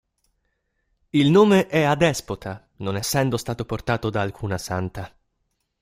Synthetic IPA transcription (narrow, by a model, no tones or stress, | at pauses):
ilnoːmeʔɛad̪ɛspot̪ʰa | nonɛsːɛnd̪ost̪aːt̪oport̪aːt̪od̪aːlkʰuːnasant̪a